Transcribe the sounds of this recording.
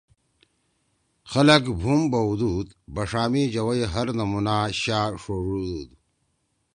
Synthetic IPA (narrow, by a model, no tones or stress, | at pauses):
xɐlɐkbʱumbɐwd̪ud̪bɐʂaːmid͡ʑɐwɐjɦɐɾnɐmunaːɕaːʂoːʐuːd̪uːd̪